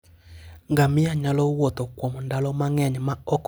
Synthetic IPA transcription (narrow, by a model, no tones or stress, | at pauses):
ŋɡamiaɲalɔwot̪okwɔmondalɔmaŋɛɲɛmaɔk